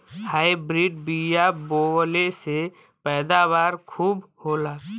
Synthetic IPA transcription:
hajbɾiɖbijabolese | pɛːd̪abaːɾkʰuːbhoːlaː

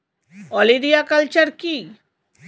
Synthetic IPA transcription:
ɔlid̪iakəlt͡ʃəɾki

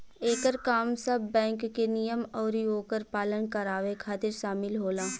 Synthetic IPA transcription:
eːkəɾkaːmsɐbbɛ̃ːŋkːenɪjəmɔːɾjoːkəɾpaːlənkɐɾaːʋekʰaːt̪ɪɾʃaːmɪlɦoːlaː

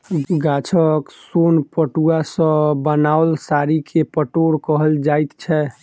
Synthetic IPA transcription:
ɡat͡ʃʰəksonpəʈuasə̃bənaolsaɾikʰepəʈoɾkəɦəld͡ʒajt̪t͡ʃʰɛ

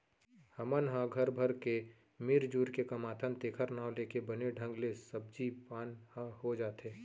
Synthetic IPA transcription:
hɐmənɦãɡʱɐɾbʱəɾke | mɪɾd͡ʒuːɾkekɐmaːt̪ʰənt̪eːkʰəɾnaːwleːkebəneɖʱə̃ŋɡlesəb̚d͡ʒipaːnhahod͡ʒaːt̪eː

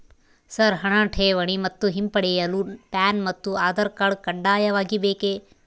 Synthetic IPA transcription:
sɐɾɦɐɳɐʈʰeːʋɐɳimɐt̪ːuɦimpɐɽɛjɐlupaːnmɐt̪ːuaːd̪ɐɾkɐɭkɐɳɖaːjɐʋaːɡibeːkeː

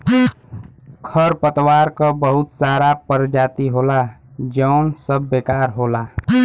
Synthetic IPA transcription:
kʰəɾpət̪waːɾkəbəɦʊt̪saɾapəɾd͡ʒaːt̪iɦoːlad͡ʒəːnsəbːekaːɾɦoːla

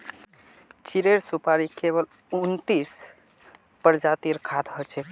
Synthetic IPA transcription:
t͡ʃiɾeɾsupaɾikeβəl | unt̪is | pəɾd͡ʒat̪iɾkʰad̪ɦɔt͡ʃʰɛ

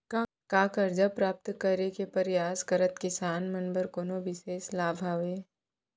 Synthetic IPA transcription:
kaːkɐɾd͡ʒapɾaːp̚t̪kɐɾekepɐɾjaːskɐɾət̪kɪsaːnmɐnbəɾkoːnoʋɪʃeːslaːbʱaːʋeː

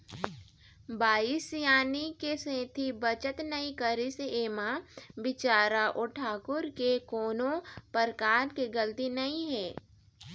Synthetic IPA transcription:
baːɪsjaːnikesẽːt̪ʰibət͡ʃət̪nəĩkəɾiseeːmabɪt͡ʃaːɾaʔɔʈʰaːkʊɾkekoːnõpəɾkaːɾkeɡəlt̪inɐĩɦɛː

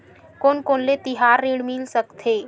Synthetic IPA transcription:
koːnkoːnlet̪iɦaːɾːiɽmilsəkt̪ʰeː

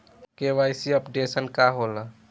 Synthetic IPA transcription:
keʋajsiəpɖesənkaɦola

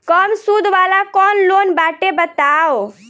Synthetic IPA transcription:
kəmsud̪ʱʋaːlakɔːnloːnbaːʈebət̪aːo

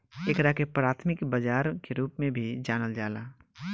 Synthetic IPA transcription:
ekɾakepɾaːt̪ʰmɪkbəd͡ʒaːɾkeɾuːpmẽbʱid͡ʒaːnəld͡ʒaːlaː

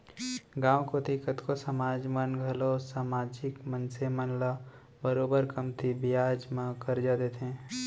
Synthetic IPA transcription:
ɡãːwkod̪ɪkət̪kosɐmaːd͡ʒmənɡʱəlosaːmaːd͡ʒɪkmənsemənla | bəɾoːbəɾkəmt̪ʰibɪjaːd͡ʒmãkɐɾd͡ʒaːd̪et̪ẽː

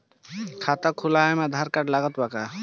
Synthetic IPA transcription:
kʰat̪ɔkʰulajmad̪ʱaɾkaʈlaɡɔt̪baka

